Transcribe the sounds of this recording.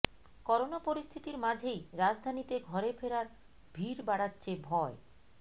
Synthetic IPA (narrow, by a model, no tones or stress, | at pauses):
kɔɾonapoɾist̪ʰit̪iɾmad͡ʑʱejɾad͡ʑd̪ʱanit̪eɡʱɔɾefʰeɾaɾ | bʱiɾbaɽatːɕʰebʱɔe